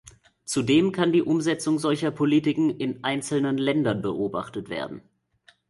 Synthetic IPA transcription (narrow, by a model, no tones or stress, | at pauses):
t͡sudeːmkʰandiːʔʊmzɛt͡sʊŋzɔlçɐpʰoliːtɪkŋ̩ɪnʔaɪnt͡sl̩nənlɛndɐnbəʔoːba̰χtətv̥ḛːɐdn̩